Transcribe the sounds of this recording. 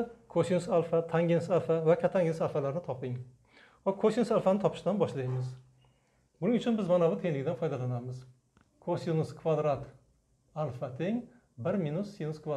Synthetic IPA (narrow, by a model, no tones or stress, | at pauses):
kʰosinʊsalˠfat̪ʰaŋɡʲɪnsalˠfavakʰʲat̪ʰaŋɡʲɪnsalˠfalaɾnɪt̪ʰɒpɪŋ | vakʰosinʊsalˠfanɪt̪ʰɒpʰɪ̥ʃd̪anbɒʃlajmɪz | bʊnɪŋʊt͡ʃʰʊnbɪzmanabʊt̪ʰe̞ŋlɪɡʲɪd̪anfɒjd̪alanamɪz | kʰosinʊskʰvad̪ɾat̪ | alˠfat̪ʰeŋ | bɪɾminʊsːinʊskva